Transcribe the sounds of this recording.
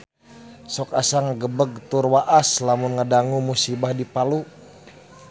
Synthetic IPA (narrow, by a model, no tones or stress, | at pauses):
sɔkasaŋaɡəbəɡ̚t̪urwaʔaslamunŋədaŋumusibahdipalu